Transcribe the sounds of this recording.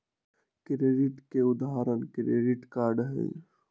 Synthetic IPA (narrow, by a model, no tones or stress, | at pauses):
kɾeːɖiʈkeʊd̪aɦaɾənkɾḛːɖiʈkaːɾɖɦḛ